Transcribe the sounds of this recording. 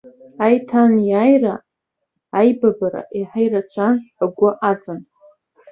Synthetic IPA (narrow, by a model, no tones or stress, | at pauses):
ajtʰanjajraː | jbabaɾa̰ʔiħajrat͡ɕʷʰanħaɡʷʊʔad͡zʼan